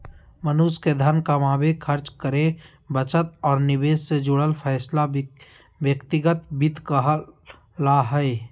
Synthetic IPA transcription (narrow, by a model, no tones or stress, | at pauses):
mənusked̪ʱənkamaːbekʰəɾt͡ʃkəɾe | bət͡ʃət̪̚ɔːɾnɪbeːssed͡ʒʊɽəlpʰɛːsla | bjəkt̪ɪɡət̪̚bɪd̪ʱkəɦ | laɦəe